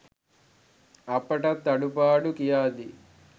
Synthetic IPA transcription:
ɐpːɐʈɐt̪ːɐɽupaːɽukijaːd̪i

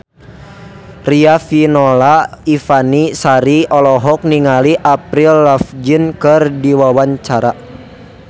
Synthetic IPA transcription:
riafinɔlaifanisaɾiɔlɔɦɔk̚niŋaliʔapɾilːafd͡ʒinkɨrdiwawaɲt͡ʃaɾa

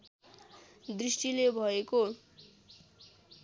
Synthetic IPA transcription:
d̪risʈilebʱʌeko

